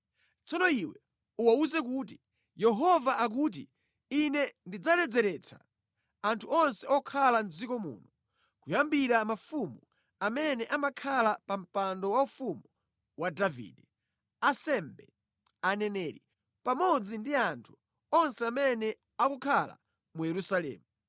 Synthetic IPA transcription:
t͡sɔnɔiwɛ | uwauzɛkuːt̬i | jɛɦɔvaʔak̬uːt̬ḭ | inɛndid͡zalɛd͡zɛɾɛt͡sʰa̰ | antʰuɔnsɛɔkʰalan̩d͡zikɔmṵːnɔ | kujambiɾamafumu | amɛnɛʔamakʰalapam̩pandɔwaufumu | wadavḭːdɛ | asɛmbɛ | anɛnɛːɾi | pamɔd͡zindiantʰu̥ | ɔnsɛamɛnɛ | akukʰala̰ | mujɛɾusalɛ̰ːmu

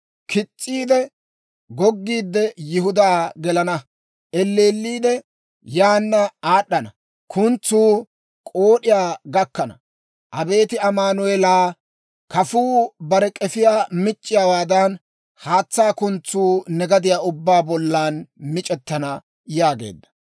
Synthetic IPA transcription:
kʰɪt͡sʼːiːd̪ɛ | ɡɔɡːiːd̪ːɛjɪhʊd̪aːɡɛlɐnɐ | ʔɛlːeːlːiːd̪ɛ | jaːnːɐaːɗːɐnɐ | kʰʊnt͡sːuː | kʼoːɗɪjaːɡɐkːɐnɐ̰ | ʔɐbe̞ːt̪ɪɐmaːnʊɛlaː | kɐfuːbɐɾɛkʼɛfɪjaːmɪt͡ʃʼːɪjaːwaːd̪ɐn | haːt͡sːaːkʊnt͡sːuːnɛɡɐd̪ɪjaːʊbːaːbɔlːaːnmɪt͡ʃʼɛt̪ːɐnɐ | jaːɡe̞̰ːd̪ːɐ̥

